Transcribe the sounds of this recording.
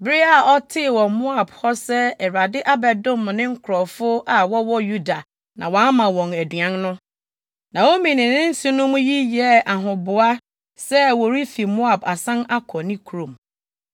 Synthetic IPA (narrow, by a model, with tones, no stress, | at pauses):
bɪ˦ɾɪ˦a˨ɔ˦tʰɪ˦˨wɔ̃˨mʊ̃˦a˨bhɔ˦sɛ˦ɛ˨ɾa˨dɪ˦ʔa˦bɛ˨dʊ̃˦˨m˨nɪ̃˦ŋ̩˦kʰʊ˨ɾɔ˨fʊ˦ʔa˨wɔ˦wɔ˦ju˦da˨ | nã˨wɔ̃˨˦a˦mã˨wɔ̃˨næ˨dɥã˦nnʊ̃˦ | nã˨wo˦mĩ˨nɪ̃˨nɪ̃˦n̩˦sʊ̃˦nʊ̃˦mũ˦ji˦jɛ˦ʔa˨ɦʊ̃˨bʊ˨a˦ | sɛ˦wo˨ɾi˦fi˨mʊ̃˦a˨ba˨sã˦na˦kʰɔ˨nɪ̃˦kʰu˨ɾõ˨m